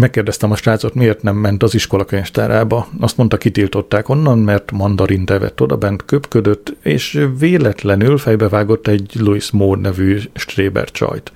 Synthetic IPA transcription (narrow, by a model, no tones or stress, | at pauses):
mɛkːeːrd̪ɛst̪ɛmɒʃtaːt̪so̞t̪mieːrt̪nɛmːɛnt̪ɒziʃko̞lɒkøɲɛʃt̪aːɾaːbɒɒst̪mo̞nt̪ɒkit̪ilt̪o̞t̪ːaːko̞nːɒnmɛrt̪mɒnd̪ɒɾint̪ɛvɛ̰t̪ːo̞d̪ɒ̰bɛnt̪køpkød̪ø̞t̪ːḛːʃveːlɛt̪lɛnylfɛjbɛvaːɡo̞t̪ːɛɟluismoːd̪nɛvyːʃt̪reːbɛ̰rt͡ʃɒ̰jt̪